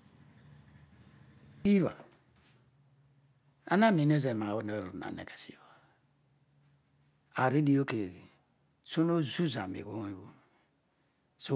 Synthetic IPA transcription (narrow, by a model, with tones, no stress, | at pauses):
i˦βa̰˨ | a̰˦na˦˨mi˨ne˦ze˨ma˨o˦ne˦˨ɾo˨na̰˨nḛ˨ke˨sḭ˨wa˨ | a˨ɾi˦di˦o˦ke˨ | su˦no˦zu˦za̰˨mḛ˨ɡo˦wu˦ | so˦